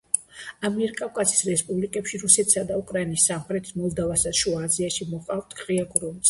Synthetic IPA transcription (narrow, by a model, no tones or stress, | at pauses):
amiɛɾkʼafkʼasi̥sɾɛspʼublikʼɛpʃiɾusɛt̪ʰsad̪aukʼɾainisːamχɾɛt̪ʰmɔlˠd̪avasaʃuaziaʃimɔqʼavt̪ʰʼkʼʁʼiaɡʼɾɔns